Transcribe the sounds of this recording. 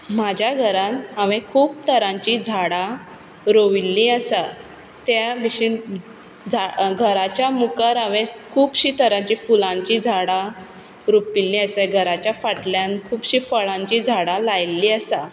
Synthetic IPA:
mad͡ʑʱjaɡʱəɾãnaʋẽkʰuːp̚t̪əɾãɲt͡ɕid͡zʱaɽa | ɾoʋilːĩəsa | t̪jaʋiɕi | d͡zʱaɡʱəɾat͡ɕjamukəɾaʋẽkʰuːpɕiːt̪əɾãɲt͡ɕifulãɲt͡ɕid͡zʱaɽa | ɾupilːĩəsəɡʱəɾat͡ɕjafaʈljankʰuːpɕiːfəɭãɲt͡ɕid͡zʱaɽalajlːiːəsa

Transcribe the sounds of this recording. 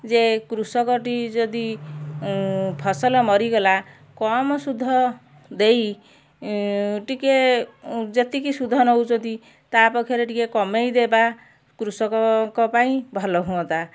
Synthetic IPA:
d͡ʒekɾusɔkɔʈid͡ʒɔd̪i | pʰɔsɔlɔmɔɾiɡɔla | kɔmɔsud̪ʱːɔ | d̪ej | ʈike | d͡ʒet̪ikisud̪ʱɔnɔɦut͡ʃɔnt̪i | t̪apɔkʰjɔɾeʈikekɔmejd̪eba | kɾusɔkɔkɔpaĩbʱɔlɔɦũɔ̃t̪a

